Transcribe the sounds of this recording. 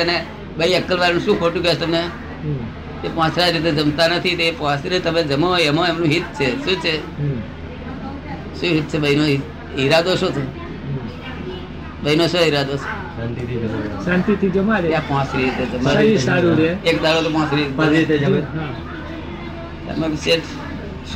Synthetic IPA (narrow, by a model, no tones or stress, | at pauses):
əne | ɓəiəkːəlʋaɾnũʃũːkʰoʈũkat̪əmne | ɦ | t̪epɔ̃t͡ʃʰɾaɾit̪̬ed͡ʒəmt̪anət̪ʰit̪epɔ̃siɾet̪əmed͡ʒəmoemoemnũɦit̪̚t͡ʃʰeʃũːt͡ʃʰeɦ | ʃũɦit̪̚t͡ʃʰebəinoɦi | ɦiɾad̪oʃõt̪ʰo | bəinot͡ʃʰoɦiɾad̪ossãnt̪it̪ʰid͡ʒsãnt̪it̪ʰid͡ʒəmaleãpãt͡ʃɾiɾt̪ed͡ʒəmaisaɾũɾeek̚d̪aɾot̪opãt͡ʃɾipãiɾit̪ed͡ʒəmeɦa | t̪ə̰meseʈ